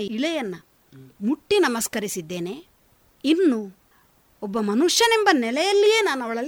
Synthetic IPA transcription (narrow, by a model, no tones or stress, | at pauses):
iɭɛjɐnːɐ | muʈːinɐmɐskɐɾisid̪ːe̞ːne | inːu | ɔbːɐmɐnuʂjɐnembɐnɛlɛjɐlːije̞ːnaːnɐʋɐɭɐl